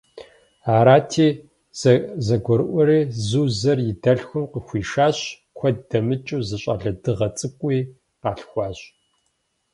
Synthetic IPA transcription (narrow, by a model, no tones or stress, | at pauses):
aːɾaːtʰiː | zɐɡʷɔɾɨʔʷɔɾiːzuːzɐrjɪdɐɬxʷʊmqəxʷiːʃaːɕ | kʷʰɔdɐmɨt͡ʃʼuːzɨɕʼɐ̰ɮɐdɨʁɐt͡sʼɨkʷʼiː | qɑːɬxʷɑːɕʼ